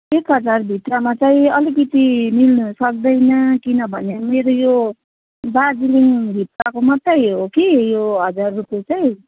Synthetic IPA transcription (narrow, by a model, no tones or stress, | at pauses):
ekɦʌd͡zarbʱit̪ramat͡saĩʌlikʌt̪imilnusʌk̚d̪ʌjnʌkinʌbʱʌnemeɾojo | bad͡ziliŋbʱit̪rakomʌt̪rʌjɦokijoɦʌd͡zarːukot͡saĩ